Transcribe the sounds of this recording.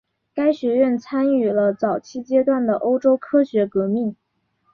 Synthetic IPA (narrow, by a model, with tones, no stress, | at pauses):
ka˥ɪɕɥɛ˧˥ɥɛ˥˩nt͡sʰa˥ny˥˩lə˦t͡sɑ˨˩ʊt͡ɕʰi˥t͡ɕjɛ˥t̪wa˥˩nd̪ə˩ʔo˥ʊʈ͡ʂo˥ʊkʰɤ˥ɕɥɛ˧˥kɤ˧˥mi˥˩ŋ